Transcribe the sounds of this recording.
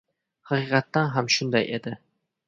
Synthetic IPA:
hɑqiqɑt̪ːanɦamʃʊnd̪ajed̪ɪ

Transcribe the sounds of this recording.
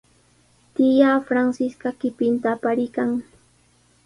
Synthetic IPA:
t̪ɪjafɾansɪskakɪpɪnt̪aːpaɾɪkaŋ

